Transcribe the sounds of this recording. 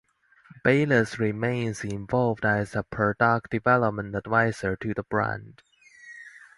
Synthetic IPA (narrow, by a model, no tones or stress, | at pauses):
b̥eɪləsɹimẽɪ̃nzɪ̃ɱvɑlˠvdæzəpʰə˞dɑk̚d̥ɨvɛləp̚mə̃ntədvaɪzə˞tʰɨðəbɹæ̰̃nd̥